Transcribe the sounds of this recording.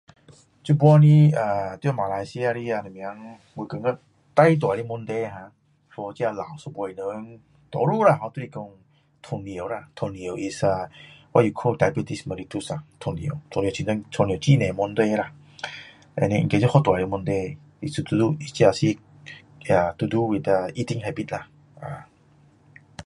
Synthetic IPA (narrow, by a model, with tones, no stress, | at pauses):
t͡ɕu˧bɔ˧nĩ˧a˧˩t̪ma˨la˧jsi˧a˧ɾi˧a˧nə̃˨mj̃a˧˦ŋ | wu˧kə˨˧ŋa˧ | t̪a˧jt̪wa˨ɾi˧˦˧mu˧˦nt̪e˧˦˧ɦã˧ | sɔ˧t͡ɕja˧la˨wsu˧be˧˨nə˨˦ŋ | t̪ɔ˨˧˦ɾu˥˧˨ɾa˧˨ɦɔ˧t̪u˦˧i˧kɔ˧ŋ | t̪ʰu˧˩nĩ˨o˨ɾa˧t̪ʰo˧nĩ˧˨o˨˩wʔi˧sa˧wa˦˧ju˨˧˩kʰu˧d̪a˧jbi˧t̪i˧smə˧ɾi˧t̪u˦˧sa˨ŋt̪ʰɔ˧nĩ˨o˨˩˨t̪ʰɔ̃˧ni˨t͡ɕʰĩ˧t̪ɔ˧˦t̪ʰɔ˧ni˧˨˩t͡ɕi˦˧˨nẽ˨mɔ˧nd̪we˧la˧ | ɛ̰˧nĩ˧ŋ̩˧ke˧t͡ɕɔ˦hɔ˦˧t̪wa˨ɾi˧m˧nt̪e˧ | i˧su˧t̪u˧d̪u˦˧i˧t͡ɕja˧si˦˧ | a˧˩t̪u˧d̪u˦wi˨˧t̪a˧i˦t̪i˧ŋɦa˧bi˧t̪̚la˧˩ | a˨˩